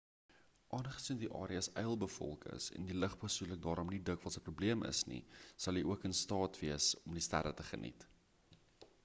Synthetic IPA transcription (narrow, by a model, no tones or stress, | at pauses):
ʔɑːnχə̥sindiʔɑ̰ːɾiəsɛjəlˠbəfɔ̰lˠkʰə̰sɛ̰ndiləχpusulək̚dɑːɾɔmnidəkvɐtsəprubliəmə̰snḭsɐlˠiʔuəkənstɑːtviəsɔmdistæ̰ɾətəχə̰nʔḭt